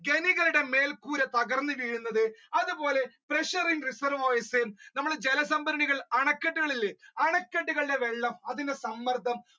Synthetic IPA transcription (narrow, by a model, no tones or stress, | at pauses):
ɡe̞niɣɐluɽe̞me̞ːlkuːɾɐt̪ɐɣɐrnːɨʋiːɻunːɐðɨɐðubo̞ːle̞preʂɐriŋrisɐɾʋoːjisemnɐmːɐɽed͡ʑelɐsɐmbɐɾɐɳiɣɐɭɐɳɐkːɐʈːuɣɐɭilːeɐɳɐkːeʈːuɣɐɭɽe̞ʋe̞ɭːɐmɐðinde̞sɐmːɐrd̪ʱɐm